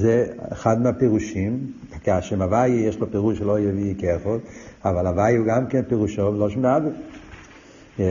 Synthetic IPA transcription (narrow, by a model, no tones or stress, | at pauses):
zɛeχad̪meapɛʁuʃimkaʃɛmavajijeʃlopɛʁuʃelojɛvikeχodavalavajiuɡamkɛnpɛʁuʃovloʃmabi